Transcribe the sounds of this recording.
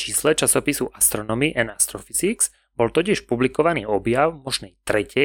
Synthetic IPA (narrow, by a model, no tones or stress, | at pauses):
t͡ʃiːslɛt͡ʃasɔpisuʔast̪ɾɔnɔmiʔɛnast̪ɾɔfizikz̥ | bɔlt̪ɔciʃpublikɔʋaniːɔbjaʊmɔʒnɛjt̪ɾɛcɛ